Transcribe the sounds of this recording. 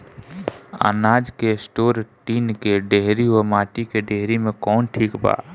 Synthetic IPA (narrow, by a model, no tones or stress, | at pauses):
a̰ːnaːd͡ʒkesʈoːɾʈiːnkeɖeɦɾiɦomaːʈikeɖeɦɾimẽkɔːnʈʰiːkba̰ː